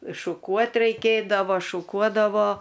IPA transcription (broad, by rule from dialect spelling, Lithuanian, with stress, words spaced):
ɪʃʃʊˈkuɔt rʲɛɪˈkʲeːdɐʋoː ʃʊˈkuɔdɐʋoː